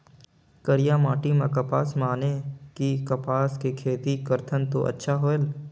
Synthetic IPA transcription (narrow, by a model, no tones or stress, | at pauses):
kəɾijamaːʈimãkɐpaːsmaːnekikɐpaːskekʰeːt̪ikəɾt̪ʰənt̪o̰ʔə̰tːʃʰaɦoːel